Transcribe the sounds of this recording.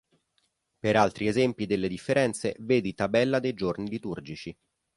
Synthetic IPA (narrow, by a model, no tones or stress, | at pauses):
peɾalt̪ɾiezɛmpid̪elːed̪ifːeɾɛnt̪sḛveːd̪it̪abɛlːad̪ejd͡ʒornilit̪urd͡ʒit͡ʃi